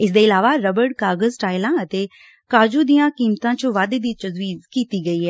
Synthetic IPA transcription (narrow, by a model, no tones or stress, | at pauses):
ɪsd̪eːɪlaːʋaːɾəbəɾɖkaːɡəzʈaːɪlãːət̪eː | kaːd͡ʒuːd̪ijãːkiːmt̪ãːt͡ʃəʋaːd̪eːd̪iːt͡ʃəzʋiːzkiːt̪iːɡəiːɦɛː